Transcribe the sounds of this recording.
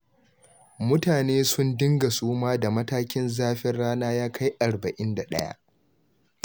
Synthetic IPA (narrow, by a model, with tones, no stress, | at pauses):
mʊ˦taː˨neː˦sʊ˦ndɪ˦ŋɡa˨suː˦maː˦da˨mɐ˦taː˦kʲɪ˦nzaː˦ɸɪ˦rɽaː˦naː˦jaː˦kʰa˦jʔa˨ɾbɐ˨ʔɪ˦nda˨ɗɐ̰˦ja̰˦ʔ